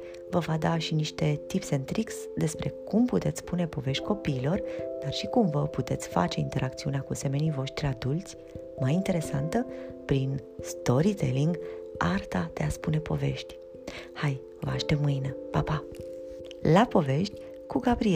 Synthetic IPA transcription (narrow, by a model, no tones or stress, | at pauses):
vəvad̪aʃiniʃt̪e̞t̪ipse̞nt̪ɾiks | d̪e̞spɾe̞kumput̪et̪sspune̞po̞ve̞ʃt̪ʲkʰo̞piːlo̞rd̪̥arʃikumvəput̪e̞t̪sʲfa̰t͡ʃe̞ḭnt̪e̞ɾʔak̚t̪siuneakuse̞me̞nijvo̞ʃt̪ɾʲad̪ult̪sʲ | majint̪e̞ɾe̞sant̪əpɾin | st̪o̞ɾit̪e̞̰liŋɡart̪ad̪̥e̞aspune̞po̞̰ve̞̰ʃt̪ʲ | haj | vəaʃt̪emɨjnepapa | lapo̞ve̞ʃt̪ʲ | kuɡabɾie